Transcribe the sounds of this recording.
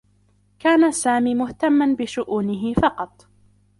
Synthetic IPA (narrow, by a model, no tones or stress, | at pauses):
kaːnasaːmiːmʊht̪amːanbɪʃʊʔuːnɪɦɪfɑqɑt̪ˤ